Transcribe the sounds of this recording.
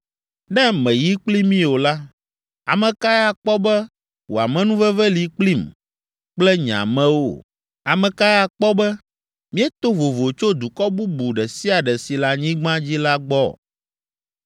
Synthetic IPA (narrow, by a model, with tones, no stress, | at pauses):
nɛ̃˦mɛ̃˨ji˦k͡pli˦mĩ˦o˨la˦ | a˨mɛ̃˨ka˦ja˦k͡pɔ˦bɛ˦ | wo̰˨a˨mɛ̃˦nũ˦vɛ˦vɛ˦li˨k͡pli˦˨m | k͡plɛ˦ɲã̰˨mɛ̃˦wo̰˨ | a˨mɛ̃˨ka˦jɛ˦a˦˨k͡pɔ˦bɛ˦ | mĩ˦ɛ˦t̪o˦vo˨vo˨t͡ʃo˦d̪u˨kɔ˦bu˦bu˨ɖɛ˨si˦a˨ɖɛ˨si˨la˦ɲĩ˦ɡ͡bã˦d͡ʑi˦la˦ɡ͡bɔ̰˦˨